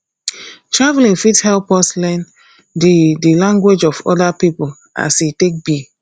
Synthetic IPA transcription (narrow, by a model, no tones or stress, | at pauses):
tɹavlĩnfithɛlpɔslɛ̃n | dedilãŋɡwed͡ʒɔfɔ̰dapipul | a̰sitek̚bi